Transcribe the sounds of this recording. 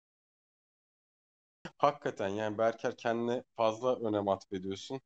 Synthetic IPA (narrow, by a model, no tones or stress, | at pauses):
hakʰːat̪ʰænjaːnibæɾcʰæɾcʰɛnd̪inɛfazlˠaʔø̞nɛmat̪ʰbed̪ijo̞sun